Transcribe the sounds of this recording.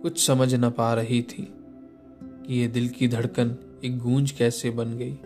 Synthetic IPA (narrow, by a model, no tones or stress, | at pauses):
kʊt͡ʃʰsɐməd͡ʒʱnapaːɾɐɦit̪ʰḭː | kijed̪ɪlkid̪ʱɐɽkən | eːk̚ɡũːnd͡ʒkɛːsebɐnɡɐiː